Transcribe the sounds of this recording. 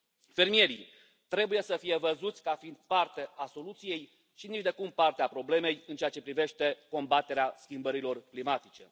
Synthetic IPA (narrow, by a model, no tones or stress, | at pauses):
fe̞rmije̞ɾi | t̪ɾe̞buje̞səfije̞vəzut̪sʲkafind̪̥̚part̪e̞ʔaso̞lut̪sije̞j | ʃinit͡ʃd̪e̞kumpart̪eapɾo̞ble̞me̞jɨnt͡ʃeat͡ʃe̞pɾive̞ʃt̪e̞ko̞mbat̪e̞ɾeaskʲimbəɾilo̞rklimat̪it͡ʃe̞̰